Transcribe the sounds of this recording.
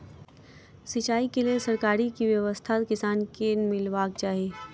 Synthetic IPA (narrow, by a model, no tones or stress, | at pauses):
sɪt͡ʃaːikeliesəɾkaːɾikiʋjəʋəst̪ʰat̪kɪsaːnkemɪlʋaːk̚t͡ʃaːɦieː